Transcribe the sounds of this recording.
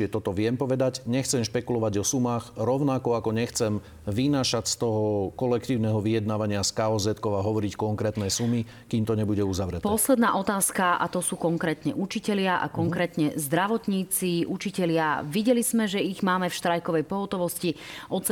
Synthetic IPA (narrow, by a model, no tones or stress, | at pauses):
ɛt̪ɔt̪ɔʋɪɛmpɔʋɛd̪aɟɲɛxt͡sɛmʃpɛkulɔʋaɟɔsumaːɣɾɔʊnakɔakɔɲɛxt͡sɛm | ʋinaːʃacst̪ɔɦɔkɔlɛkt̪iːʊnɛɦɔʋijɛd̪naːʋaɲɪaskaɔzɛt̪kɔʊaɦɔʋɔɾickɔŋkɾɛːt̪nɛsumi | kimt̪ɔɲɛbuɟɛuzaʋɾɛt̪pɔslɛd̪naːʔɔt̪aːskaʔa̰t̪ɔsuːkɔŋkɾɛːt̪ɲɛ̰ʔut͡ʃicɛʎɪaʔa̰kɔŋkɾɛːt̪ɲɛzd̪ɾaʋɔt̪ɲiːt͡siʔut͡ʃicɛʎɪaʋiɟɛlizmɛʒɛiɣmaːmɛfʃt̪ɾajkɔʋɛjpɔɦɔt̪ɔʋɔsciʔɔt̪t͡s